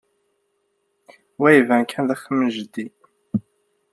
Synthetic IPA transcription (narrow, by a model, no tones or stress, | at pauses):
wæjvænkʰænðæxəmːənʒəd̪ːi